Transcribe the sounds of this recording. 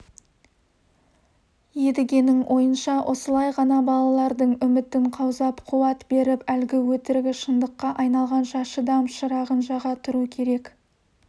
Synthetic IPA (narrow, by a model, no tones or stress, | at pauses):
je̞d̪ɪɡʲe̞nɪŋwʔo̞jənʃɑwʔo̞səlˠɑjʁɑnɑbɑlˠɑlˠɑɾd̪əɴʏmɪt̪ɪɴqʰɑwzɑpqʰuwɑt̪be̞ɾɪpælɡʲɪwɵt̪ɪɾɡʲɪʃənd̪əqːɑʔɑjnɑlˠʁɑnʃɑʃəd̪ɑmʃəɾɑʁənʒɑʁɑt̪ʰʊɾukʲʰe̞ɾe̞k